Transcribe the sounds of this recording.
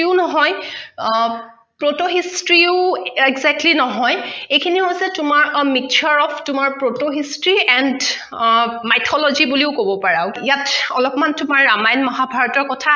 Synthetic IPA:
iʊnɔɦɔj | pɹotoɦistɹiʊɛɡzɛk̚tlinɔɦɔjejkʰiniɦojsɛtʊmaɹmik̚t͡ʃʰɔɹɔpʰtʊmaɹpɹotoɦistɹiɛnd | majtʰɔlɔzibuliʊkobɔpaɹaʊijatɔlɔpmantʊmaɹːamajnmɔɦabʱaɹɔtɔɹkɔtʰa

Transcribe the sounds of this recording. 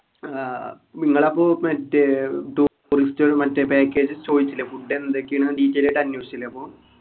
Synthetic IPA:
miŋːɐɭɐpːoːmɐtːeʈuː | ristoɾumɐtːepeːkːeːd͡ʑɨt͡ɕoːd̪it͡ɕːilːɐfuɖːenːɐd̪ekːiɐɳɨɖiːtːeleʈːɐnːjusilːeɐpːoː

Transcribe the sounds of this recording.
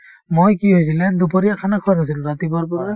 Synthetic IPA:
mojkiɦojsilɛdupɔɾiakʰanakʰanas̬ilʊɹatibɔɹpɔɹa

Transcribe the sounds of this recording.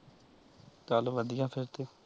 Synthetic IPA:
kaːloʋəd̪ɪjãːpʰɪɾt̪eː

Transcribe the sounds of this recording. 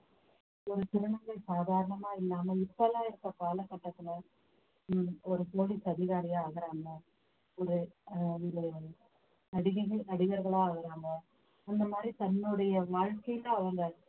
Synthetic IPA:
ɔɾɯt̪ɪɾɐɳɐŋɡɐɭsaːðaːɾɐɳɐmaːɪlːaːmɐɪpːɐlãːɪɾɯk̪ːɐpaːlɐkːɐʈːɐt̪ːɯnɐ | ɔɾɯsoːlisɐðɪɣaːɾɪjaːɣɐɾaːŋɡɐ | ɔɾɯ | ɾɯ | nɐɽɪɣɐnɐɽɪɣɐɾɣɐɭaːɣɐɾaːŋɡɐ | ɐnd̪ɐmaːd̪ɾit̪ɐnːɯɽɐjɐʋaːɻkɐjɪlɐ̃ɐʋɐŋɡɐ

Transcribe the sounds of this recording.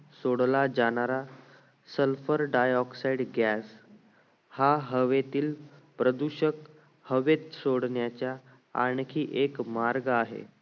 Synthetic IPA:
soɽlad͡ʑaɽ̃aɾa | səlfəɾɖajɔksaiɖɡjas | haɦəʋet̪iːlpɾəd̪uɕək | həʋet̪soɽɳjat͡ɕja | aɳkʰiːʔekmaɾɡaɦḛ

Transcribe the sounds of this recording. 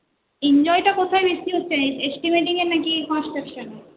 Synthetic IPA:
ind͡ʑɔjʈakot̪ʰajbeʃt̪iɦotːɕʰeesʈimeʈiŋeɾnakikɔ̃nsʈɾekʃone

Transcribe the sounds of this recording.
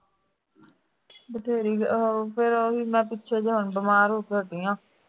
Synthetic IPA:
bət̪ʰeːɾiːpʰeɾoɦiːmɛ̃ːpɪtːʃʰeːd͡ʒəɦənbəmaːɾoːt̪əʈiːãː

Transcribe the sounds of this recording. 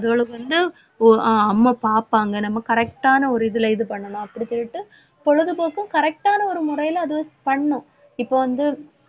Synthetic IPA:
ɐðɯɐɭɯkːɯʋɐnd̪ɯ | ɐmːɐpaːɾpaːŋɡɐnɐmːɐkɐɾɛk̚ʈaːnɐɔɾɯɪðɯlɐɪðɯpɐɳːɐɳãːɐpːɐɽɪt͡ʃːɔɭːɪʈːɯ | pɔɻɯðɯpoːkːɯ̃kɐɾɛk̚ʈaːnɐɔɾɯmʊrɐjɪlɐɐðɯʋɐpɐɳːʊ̃ | ɪpːoːʋɐnd̪ɯ

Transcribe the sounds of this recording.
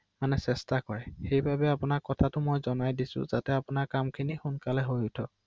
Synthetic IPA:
manɛsɛstakɔɹɛxejbʱabɛapʊnakɔtʰatʊmojzɔnajdisʊ̰̃zatɛapʊnaɹkamkʰinixunkalɛɦojʊtʰɔ

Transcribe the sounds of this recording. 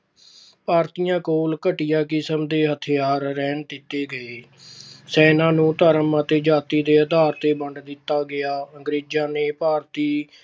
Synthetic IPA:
paːɾt̪ijãːkoːlkəʈɪjaːkɪsəmd̪eːɦət̪ʰɪjaːɾɾɛːnd̪ɪt̪ːeːɡəeː | sɛːnãːnũːt̪əɾəmaːt̪eːd͡ʒaːt̪iːd̪eːəd̪aːɾt̪eːbəɳɖd̪ɪt̪ːaːɡɪjaːəŋɡɾeːd͡ʒãːneːpaːɾt̪iː

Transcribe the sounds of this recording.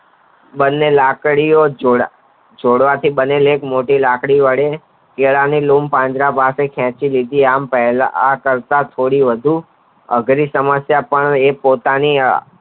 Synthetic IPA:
bənːelakɽijo | d͡ʒoɽʋat̪ʰibənelekmoʈilakɽiʋəɽe | keɭanilumpãɲd͡ʒɾapasekʰɛ̃t͡ʃilid̪ʱiampɛɦlakəɾt̪at̪ʰoɽiʋəd̪ʱu | ə̰ɡɾisəməsjapəɳepot̪ani

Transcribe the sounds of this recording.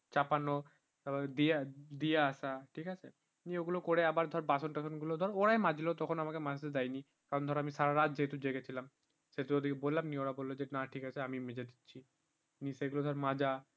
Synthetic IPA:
t͡ɕapano | abad̪iad̪ieaʃaʈʰikat͡ɕʰe | nioɡulokoɾeabaɾd̪ʱɔɾbasonʈasonɡulod̪ʱɔɾoɾaemad͡ʑʱilot̪ɔkʰonamakemad͡ʑat̪ed̪ajni | kaɾond̪ʱɔɾamiʃaɾaɾad͡ʑd͡ʑeet̪ud͡ʑeɡet͡ɕʰilam | set̪uod̪ikebolːamnioɾabolːod͡ʑenaʈʰikat͡ɕʰeamimed͡ʑed̪itːɕʰi | niseɡulod̪ʱɔɾmad͡ʑa

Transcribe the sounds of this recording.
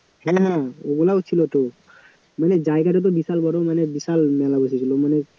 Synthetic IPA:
hɛ̃ɦãeɡulaot͡ɕʰilot̪o | maned͡ʑaeɡaʈ̬et̪̬obisalbɔɾomanebisalmɛlabosʰit͡ɕʰilomane

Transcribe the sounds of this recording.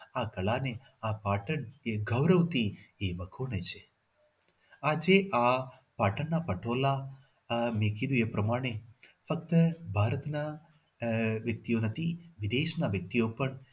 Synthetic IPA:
akɐɭane | apaːʈəɳeɡʱəʋɾəʋt̪iebəkʰoɳet͡ʃʰe | ad͡ʒeʔa | paːʈənːapəʈʰoːla | mẽkid̪ũepɾəmaːɽ̃efək̚t̪əbʱaːɾət̪na | ʋjɐk̚t̪ijonət̪ʰiʋid̪eːʃnaʋjək̚t̪ijopəɳ

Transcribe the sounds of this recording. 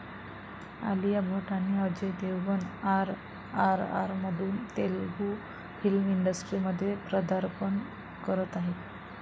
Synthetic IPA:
a̰lijabʱoʈaniəd͡ʑed̪ewʋənaɾ | aɾa̰ɾməd̪ʱuːnt̪elɡu | filmiɳɖəsʈɾiməd̪ʱːjepɾəd̪aɾpən | kəɾət̪aɦet̪

